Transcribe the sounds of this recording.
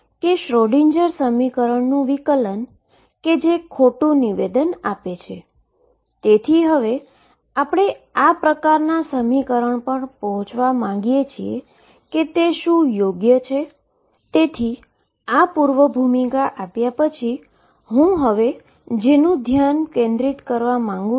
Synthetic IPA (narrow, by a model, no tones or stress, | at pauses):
keʃɾoɽiɲd͡ʒəɾsəmikəɾəɳnũʋikələn | ked͡ʒekʰoʈũniʋed̪ənapet͡ʃʰe | t̪et̪ʰiɦəʋe | apɽ̃eapɾəkaɾnasəmikəɾəɳpəɳpəɦɔ̃t͡ʃʰʋamãŋ̆ɡijet͡ʃʰie | ket̪eʃũjoɡjət͡ʃʰe | t̪et̪ʰi | apuɾʋəbʱumikaʔapjapət͡ʃʰi | ɦũɦəʋe | d͡ʒenũd̪ʱjankẽnd̪ɾit̪kəɾʋamãŋɡũ